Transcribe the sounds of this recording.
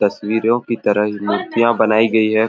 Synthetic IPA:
t̪ɐswiːɾõkit̪ɐɾəɦmʊɾt̪ɪjãbɐnaːiɡɐiɦɛ

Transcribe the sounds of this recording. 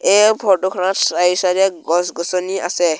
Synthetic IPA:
ebʱɔtɔkʰɔnɔtsaisaɾɛɡɔsɡɔsɔnia̰sɛ

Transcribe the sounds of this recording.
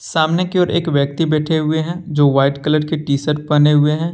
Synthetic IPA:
saːmnekeɔːɾeːkʋjək̚t̪ibɛːʈʰeɦʊeɦɛ̃d͡ʒoːʋaːɪʈkələɽkeʈiːsəɾpɐneɦʊeɦɛ̃ː

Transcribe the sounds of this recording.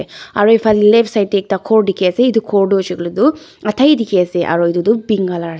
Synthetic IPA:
eɐ̰ɾoifɐlːileːpsɐjt̪ek̚t̪akʰoːɾɖikeːseid̪ukʰoːɾɖoːt͡ʃɐɡɐɭud̪u | ɐt̪ʰɐjd̪ikeːseʔɐ̰ɾoid̪ud̪ubiŋɡala

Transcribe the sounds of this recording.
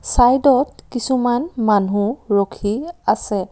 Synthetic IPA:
sajdɔt̚kisumanmanuɹokʰiasɛ

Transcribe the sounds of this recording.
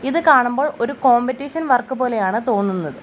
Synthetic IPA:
iðɨkaːɳumbo̞ːɭo̞ɾuko̞ːmbɐtːiːʂɐnʋɐrkːɨpo̞ːle̞jaːɳɨt̪o̞ːnːunːɐðɨ

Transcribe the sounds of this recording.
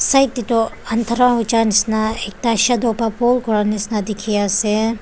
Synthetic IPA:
sɐjt̪it̪oɐnt̪ʰɾãɦut͡ʃanisnaek̚t̪aʃɐd̪oːpapolkoɾanisnad̪ikʰijase

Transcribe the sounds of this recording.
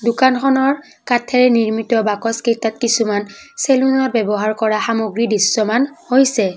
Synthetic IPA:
dʊkanxɔnɔɹ | katʰɛɹɛniɹmitɔbakɔskejtatkisumanselunɔt̚bɛbɔɦaɹkɔɹaxamoɡɹidisːɔmanhojsɛ

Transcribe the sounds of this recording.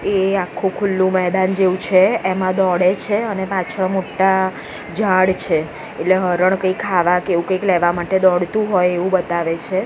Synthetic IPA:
eakʰːũkʰʊlːũmɛɦd̪and͡ʒeʋũt͡ʃʰeemãd̪ɔɽet͡ʃʰeənepãt͡ʃʰamoʈːa | d͡ʒaɽt͡ʃʰe | eʈleɦəɾəɳkəikʰːaʋakeʋũkəiklɛʋamaʈed̪ɔɽt̪ũɦɔjeʋũbət̪aʋet͡ʃʰe

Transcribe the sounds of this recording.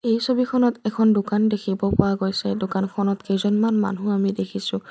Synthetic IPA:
ejsobikʰɔnɔtɛkʰɔndʊkandekʰibɔpɔɹaɡojsɛdokankʰɔnɔtkejzɔnmanma̰nɦũamidekʰisʊ̃

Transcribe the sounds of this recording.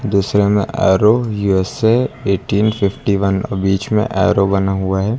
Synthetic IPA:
d̪uːsɾemḛ̃ʔɛ̰ːɾojuːɛseeːʈiːnfɪfʈiʋənbiːt͡ʃmḛ̃ʔa̰ːɾobɐnaɦuaɦɛː

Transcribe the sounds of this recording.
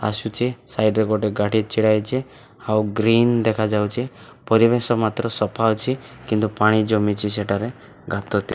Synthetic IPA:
a̰sut͡ʃʰisajɖɾɔkoʈeɡaʈit͡ʃʰiɽajt͡ʃʰi | awɡɾind̪ekʰad͡ʒawt͡ʃʰi | pɔɾibesɔmat̪ɾɔsɔpʰawt͡ʃʰikint̪upaɽ̃id͡ʒɔmit͡ʃʰiseʈaɾe | ɡʱat̪ɔt̪i

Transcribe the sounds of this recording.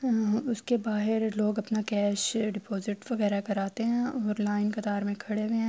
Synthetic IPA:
ʊskebaːɦɪɾloːɡɐpnakɛːʃɖɪpɔːzɪʈʋɐɣɛːɾakɐɾaːt̪eɦɛ̃ɔːɾlaːɪnkɐt̪aːɾmẽkʰɐɽeʋeɦɛ̃

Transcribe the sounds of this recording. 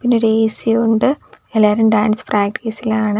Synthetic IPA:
pinːeɾeːsiuɳɖɨelːaːɾumɖaːnspraːɡɾeːsilaːɳɨ

